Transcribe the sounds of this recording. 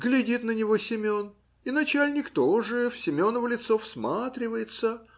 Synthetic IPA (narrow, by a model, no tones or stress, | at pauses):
ɡlʲɪdʲit̪nənʲɪvo̞sʲɪmʲo̞n | inɐt͡ɕælʲnʲɪkt̪oʐɨfsʲɪmʲo̞nəvəlʲɪt̪so̞fsmat̪ɾʲɪvəjɪt̪sə